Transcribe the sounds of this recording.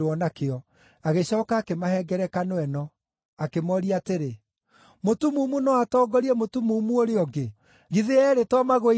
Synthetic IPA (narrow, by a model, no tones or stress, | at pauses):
ɔnakeɔ | aɣeɕɔːkaːkemahɛɡɛɾɛkanoɛnɔ | akemɔɾiateɾe | motumumunɔatɔːɡɔɾiɛmotumuːmuoɾeɔɡe | ɣiðeɛɾetɔmaɣo